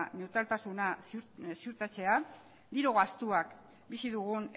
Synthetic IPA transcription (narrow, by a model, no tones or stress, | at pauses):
ne̞wt̪ɾalt̪asunassiuɾt̪at͡se̞a | d̪iɾoɣast̪uak | bisiðuɣ̞un